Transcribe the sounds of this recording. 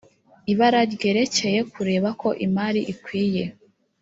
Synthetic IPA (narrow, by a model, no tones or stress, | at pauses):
iβaɾaɾɡe̞ɾe̞ce̞je̞kuɾe̞ːβako̞ʔimaɾiʔikwiːje̞